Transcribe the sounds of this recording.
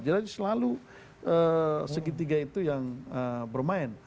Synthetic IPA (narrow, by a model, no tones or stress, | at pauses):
d͡ʒaɾad͡ʒasəlalu | ʔəsəɡit̪̬iɡait̪ujaŋəbərmaɪn